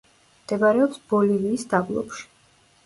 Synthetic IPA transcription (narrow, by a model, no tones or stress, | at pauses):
md̪̥ɛbaɾɛɔpsb̥ɔliviːsd̪ablˠɔ̰pʃi̥